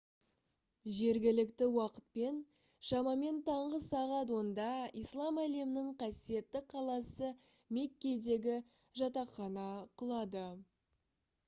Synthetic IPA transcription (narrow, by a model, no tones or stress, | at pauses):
ʒe̞ɾɡʲɪlɪkt̪ɪwɑqə̥t̪̚pe̞n | ʃɑmɑme̞nt̪ʰɑɴʁəsɑʁɑt̪wo̞nd̪ɑijslˠɑmæle̞mɪnɪŋqʰɑsije̞t̪ːɪqʰɑlˠɑsə | me̞kʲːe̞jd̪e̞ɡʲɪ | ʒɑt̪ɑχɑnɑqʰəlˠɑd̪ə